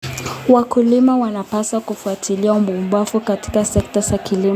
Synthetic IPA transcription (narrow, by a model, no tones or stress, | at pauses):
wakulimawanapasakufuatʰiliaumbumbwafukati̥kasɛk̚tazakilim